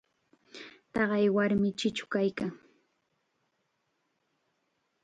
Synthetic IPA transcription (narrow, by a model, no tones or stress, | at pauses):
t̪ɑɢɑjwaɾmɪt͡ʃɪt͡ʃʊ̥kajkaŋ